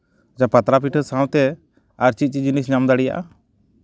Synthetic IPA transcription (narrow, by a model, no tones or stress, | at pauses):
ad͡ʒapat̪ɾapiʈʰəsãw̃t̪ɛ | aɾt͡ʃit̪̚t͡ʃid͡ʒunisɲamd̪aɽija̰ʔa